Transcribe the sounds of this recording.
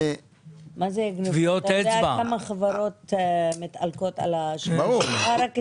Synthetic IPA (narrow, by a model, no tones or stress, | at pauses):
mazeɡnuviotaedeabaamaχavaɾo̞t̪mit̪a̰lkot̪a̰laʃuaɾak